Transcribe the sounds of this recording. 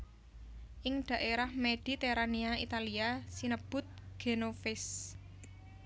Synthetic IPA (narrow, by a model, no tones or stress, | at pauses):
ʔɪŋd̪̥ä̤ʔeɾahmed̪̥i̤t̪eɾaniait̪aliasinəb̥ʊ̤t̪̚ɡ̥e̤nofɪs